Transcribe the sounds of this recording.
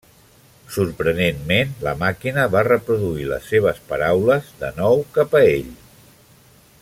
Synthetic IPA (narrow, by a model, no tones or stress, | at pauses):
suɾpɾənenmenləmakinəβarəpɾuðuilə̰sːeβ̞əspəɾawləzðənɔwkapəeʎ